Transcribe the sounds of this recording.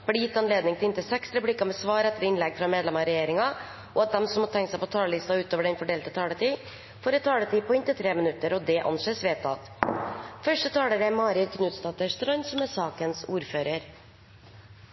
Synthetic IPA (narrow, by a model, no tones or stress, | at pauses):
b̥lɪjɪt̪ːɑnleːd̪nɪŋt̪ʰɪɪnt̪ɪsɛksɾɛplikɑmɛsʋɑːɾɛt̪ːəɾɪnlɛɡfɾɑmeːd̪lɛmɑɾɛjeːɾɪŋɑ | ʔɔɑt̪̚d̪ɛmsɔmːɔt̪ʰɛŋksɛɪpɔt̪ʰɑːləlɪst̪ɑʉːt̪oːʋəɖɛnfɔɖeːlt̪ət̪ʰɑːlət̪ʰiː | foːɾɛt̪t̪ʰɑːlət̪iːpɔɪnt̪ɪt̪ʰɾeːmɪnʉt̪ːəɾɔd̪ɛʔɑ̰nʂeːsʋeːt̪ʰːɑ̰t̪ | fœʂʈət̪ʰɑːləɾɛmɑːɾɪlkʰnʉːt̪st̪ɑːt̪əʂt̪ɾœʏnsɔmɛsɑːkənsuːɾføːɾəɾ